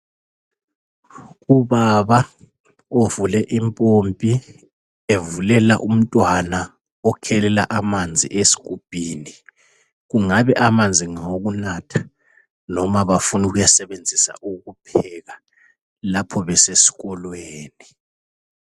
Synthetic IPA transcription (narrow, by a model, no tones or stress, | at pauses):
uβaβa | ovulɛʔimpʼompʼi | evulɛla̰ʔum̩tʼwana | ɔkʰɛlɛla̰ʔamand͡zʱḭʔesi̥k̬ʼub̥ʱʼiːni | ɣ̬uŋaβɛʔamand͡zʱiŋoɣ̬unatʰḁ | nɔmaβafunuɣujasɛβend͡zʱisa̰ʔuɣupʰɛɣa | lapʰɔβɛsesi̥ɣ̬ɔlweːni